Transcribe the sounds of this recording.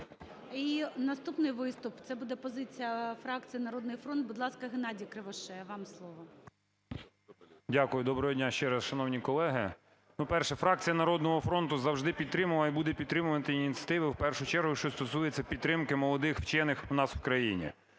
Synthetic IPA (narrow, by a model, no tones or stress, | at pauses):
inɐst̪upnɪjʋɪst̪ʊpt̪sɛbud̪ɛpɔzɪt͡sʲijɐfɾɑkt͡sʲijinɐɾɔd̪nɪjfɾɔndt̪̚bʊd̪lˠɑskɐɦenɑdʲɐkɾɪʋɐʃɛʋɑmslˠɔʋɔ | dʲakʊjʊd̪ɔbɾɔɦɔdʲnʲaʃt͡ʃɛɾɐsʃɐnɔwnʲikɔlˠɛɦɪ | nupɛrʃɛfɾɑk̚t͡sʲijɐnɐɾɔd̪nɔɦɔfɾɔnt̪ʊzɐwʒd̪ɪpʲid̪̚t̪ɾɪmʊlˠɐibud̪ɛpʲid̪t̪ːɾɪmʊʋɐnt̪ɪinʲit̪t͡sʲɐ̥t̪ɪʋɪwpɛrʃʊt͡ʃɛɾɦʊjʃt͡ʃɔst̪ɔsujet͡sʲːɐpʲid̪t̪ːɾɪmkɪmɔlˠɔd̪ɪxwt͡ʃɛnɪxʊnɑswkɾɐjinʲḭ